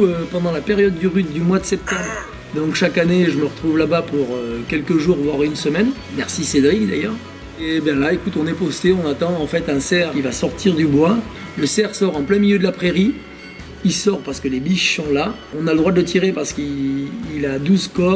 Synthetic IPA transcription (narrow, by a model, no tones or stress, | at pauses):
øpɑ̃d̪ɑ̃lapeʁjɔd̪ːyʁyd̪̚d̪ymwad̪əsɛp̚t̪ɑ̃bʁ | d̪ɔ̃kʃakaneʒəməʁət̪χuvlabapuʁøkʲɛlkəʒuʁvwaʁynsəmɛn | mɛʁsised̪ʁiɡd̪a̰jœːʁ | ebãlaekut̪ɔ̃nɛpɔst̪eɔ̃nat̪ɑ̃ːfɛt̪ɛ̃sɛʁkʲivasɔʁt̪ʰiʁd̪ybwa | ləsɛʁsɔʁɑ̃plɛ̃miljød̪əlapχeʁi | isɔʁpaʁsə̥kəlebiʃsɔ̃la | ɔ̃naləd̪ʁwad̪ələt̪̬ʰiʁepaʁsə̥kiilad̪uzkɔ